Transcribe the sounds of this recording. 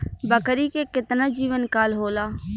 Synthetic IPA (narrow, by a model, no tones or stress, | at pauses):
bəkɾiːkekɪt̪naːd͡ʒiːʋənkaːlɦoːlaː